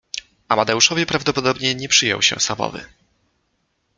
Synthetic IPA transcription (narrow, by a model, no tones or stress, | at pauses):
amad̪ɛuʂɔvʲjɛpɾavd̪ɔpɔd̪ɔbɲɛɲɛpʂɘjɔ̰wɕɛ̰̃samɔ̰vɘ̰